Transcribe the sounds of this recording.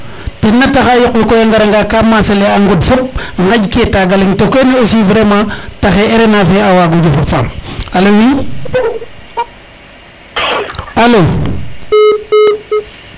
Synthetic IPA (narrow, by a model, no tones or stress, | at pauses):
tinːataxajokwikojaŋɡaɾaŋɡakamaseleaŋɡudfop̚ŋɡad͡ʒketaɡaliŋtokeneosiviɾemataxeeɾenafeawaɡud͡ʒufafamalowi | alo